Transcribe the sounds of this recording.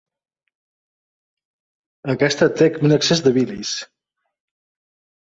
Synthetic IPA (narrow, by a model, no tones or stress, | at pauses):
əkɛst̪ət̪ekunəksezd̪əβilis